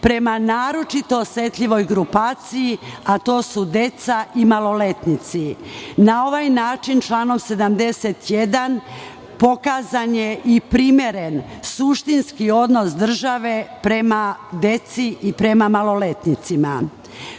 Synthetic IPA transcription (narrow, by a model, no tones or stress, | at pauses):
pɾe̞manaːɾo̞t͡ʃit̪o̞ːsʋe̞t̪ʎiʋo̞jɡɾupaːt̪sijiat̪o̞ːsud̪e̞t̪saʔimalo̞le̞t̪nit̪sinao̞ʋajnaːt͡ʃint͡ʃlaːno̞mse̞d̪amd̪e̞set̪je̞d̪an | po̞kazanje̞ʔipɾimje̞ɾe̞nsuʃt̪inskio̞d̪no̞sd̪r̩ʒaʋe̞pɾe̞mad̪e̞t̪siipɾe̞mamalo̞le̞t̪nit̪sima̰